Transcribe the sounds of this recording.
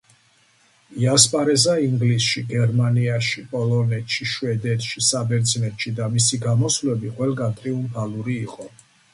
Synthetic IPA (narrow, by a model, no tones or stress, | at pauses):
iaspʼaɾɛzaiŋɡlisʃiɡɛɾmaniaʃipʼɔlɔnɛt̪ʃiʃvɛd̪ɛt̪ʰʼʃisabɛɾd̪zinɛt̪ʃid̪amisiɡamɔslɛbiqʼwɛlˠɡant̪ʼɾiumpʰaluɾiːqʼɔ